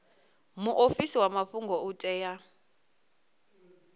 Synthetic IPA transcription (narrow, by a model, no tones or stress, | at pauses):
muʔofisiwamaɸuŋɡɔutʼɛːja